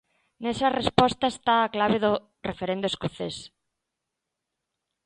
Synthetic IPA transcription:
nesɐrespɔst̪ɐest̪aːklaβeðʊ | refeɾẽnd̪oeskoθes

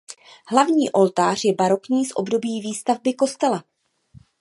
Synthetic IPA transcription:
ɦlavɲiːʔo̞lt̪aːr̝̥jɛbaɾo̞kɲiːsʔo̞̰bdo̞biːviːst̪avbɪko̞st̪ɛla

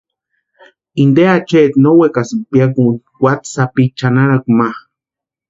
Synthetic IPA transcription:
ind̪eat͡ʃet̪nowekasimpjak̬un | wʷat̪sapit͡ʃanaɾakmah

